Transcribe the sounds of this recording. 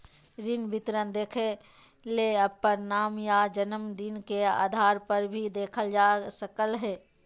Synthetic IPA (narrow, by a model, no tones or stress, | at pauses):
ɾɪnbɪt̪ɾənd̪eːkʰe | leːɐpːəɾnaːmjaːd͡ʒənəmd̪ɪnkea̰ːd̪ʱaːɾpəɾbʱid̪eːkʰəld͡ʒaːsəkəlɦɛː